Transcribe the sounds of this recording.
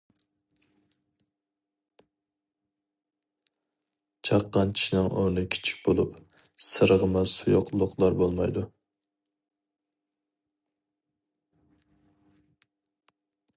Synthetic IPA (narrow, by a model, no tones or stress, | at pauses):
t͡ʃʰɑqːɑnt͡ʃʰi̥ʃnɪŋonɨkʲʰi̥t͡ʃʰi̥k̚ʲb̥olˠup | sɨɾəʁəmɑsujoqʰlˠʊqlˠɑɾbolˠmɑjd̪u